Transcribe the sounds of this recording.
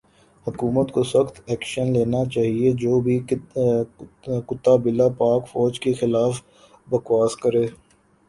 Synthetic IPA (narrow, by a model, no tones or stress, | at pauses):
hʊkuːmət̪koswəxt̪ɛːkʃənleːnat͡ʃaːɦied͡ʒoːbʱi | kʊt̪ːaːbɪlapaːkfɔːd͡ʒkexɪlaːf | bəkwaːskəɾeː